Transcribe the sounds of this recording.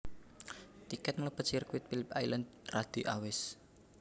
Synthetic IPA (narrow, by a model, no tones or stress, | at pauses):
t̪ikɛt̪̚ŋləpət͡ʃirkuwɪt̪̚filɪpajlənd̪̚rad̪̥iʔawɪs